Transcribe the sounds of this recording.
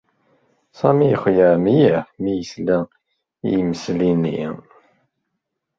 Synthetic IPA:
sɑmijəχʷjəmjəmijəslæ | ḭjməslinːḭ

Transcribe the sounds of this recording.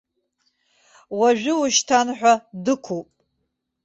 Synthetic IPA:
waʒᶣɪʊʃtʰanħʷᶣadɨkʷʰupʼ

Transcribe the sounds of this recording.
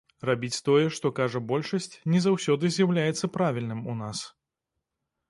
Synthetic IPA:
rabʲit͡sʲt̪ɔjɛʂt̪ɔkaʐɐbɔlʲʂɐsʲt͡sʲnʲɛzawsʲɔd̪ɨzʲjawlʲajɛt̪sːɐpɾavʲilʲnɨmunas

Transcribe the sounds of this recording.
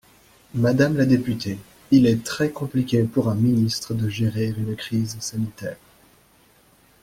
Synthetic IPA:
mad̪amlad̪epyt̪ʰe | ilɛt̪χɛkɔ̃plikʲepuʁɛ̃minist̪χəd̪əʒeʁiʁynkχizsanit̪ɛːʁ

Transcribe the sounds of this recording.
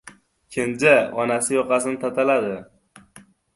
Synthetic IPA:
kʲʰend͡ʒaɒnasɪjɒqɑsɪnɪt̪ʰat̪ʰalad̪ɪ

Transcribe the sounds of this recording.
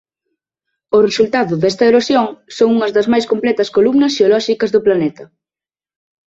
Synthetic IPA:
ʊresult̪aðʊðɛst̪ɐeɾosjoŋsoŋuŋɐzðɐzmajskomplɛt̪ɐskolumnɐsʃeolɔʃikɐzðʊplanɛt̪ɐ

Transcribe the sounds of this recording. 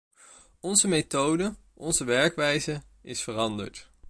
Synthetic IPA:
ɔnzəmejtowdə | ʔɔnzəʋɛɹkʋɛjzə | ɪsfərɑndə̰ɹt

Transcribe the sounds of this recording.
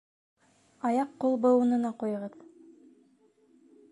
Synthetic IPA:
ɑjɑqːolˠbŏŭnɤ̆nɑqujɤ̆ʁɤð

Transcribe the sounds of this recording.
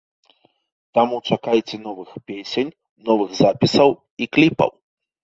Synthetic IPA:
t̪amut͡ʂakajt͡sʲɛnɔvɨxpʲesʲenʲ | nɔvɨɣzapʲisɐw | iklʲipɐ̰w

